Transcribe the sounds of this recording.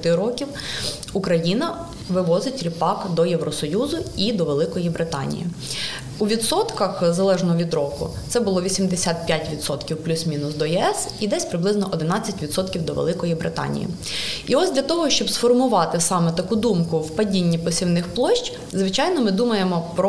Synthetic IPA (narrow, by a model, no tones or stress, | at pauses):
t̪ɪɾɔkʲiw | ukɾɐjinɐ | ʋɪʋɔzɪtʲɾʲipɑkd̪ɔjeʋɾɔsɔjuzʊid̪ɔʋelˠɪkɔjibɾɪt̪ɑ̰nʲḭjḭ | uʋʲid̪sɔt̪kɐxzɐlˠɛʒnɔɔʋʲid̪ɾɔkʊ̰t̪sɛbʊlˠɔʋʲisʲimd̪esʲat̪̚pʲjatʲʋʲid̪sɔt̪kʲiwplʲusʲmʲinʊsd̪ɔjɛɛsid̪ɛsʲpɾɪblˠɪznɔʔɔd̪ɪnɑt͡sʲːɐtʲʋʲid̪sɔt̪kʲiwd̪ɔʋḛlˠɪkɔjibɾɪt̪ɑ̰nʲḭjḭ | iɔsʲdʲlʲɐt̪ɔɦɔʃt͡ʃɔbsfɔrmʊʋɑt̪ɪsɑmɛt̪ɐkud̪umkʊwpɐdʲinʲːipɔsʲiwnɪxplˠɔʃt͡ʃ | zʋɪt͡ʃɑjnɔmɪd̪umɐjemɔpɾɔ